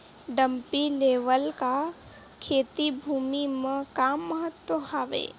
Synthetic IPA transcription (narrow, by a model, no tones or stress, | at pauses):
ɖəmpileːʋəlka | kʰeːt̪ibʱuːmimẽkaːmːəɦət̪wəɦaːʋḛː